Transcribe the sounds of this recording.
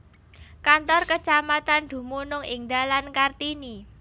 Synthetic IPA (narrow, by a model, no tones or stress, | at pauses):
kant̪ɔrkət͡ʃamat̪and̪̥ṳmunʊŋɪŋd̪alankart̪ini